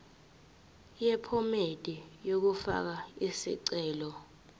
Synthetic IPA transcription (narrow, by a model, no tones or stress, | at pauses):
jɛpʰɔmed̥ʼijok̬ufa̰k̬aisḭǀɛːlɔ